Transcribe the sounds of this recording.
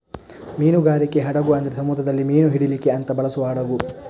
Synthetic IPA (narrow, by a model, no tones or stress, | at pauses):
miːnuɡaːɾikːeɦɐɽɐɡuɐnd̪ɐɾesɐmuːd̪ʱɐd̪ɐlːimiːnuɦiɽilikːeɐnt̪ɐbɐɭɐsuʋɐɦɐɽɐɡu